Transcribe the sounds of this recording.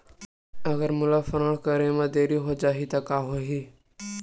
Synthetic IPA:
ɐɡəɾmʊlafəɾəɽ̃kəɾemãd̪eːɾiɦod͡ʒaːɦit̪akaːɦoːɦiː

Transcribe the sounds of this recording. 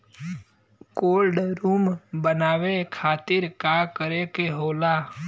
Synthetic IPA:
koːlɖɾuːmbənaːʋekʰaːt̪ɪɾkakəɾekeɦoːlaː

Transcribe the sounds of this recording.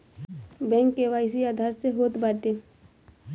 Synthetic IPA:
bɛ̃ːŋkːeʋaːɪs̬iaːd̪ʱaːɾseɦoːt̪baːʈeː

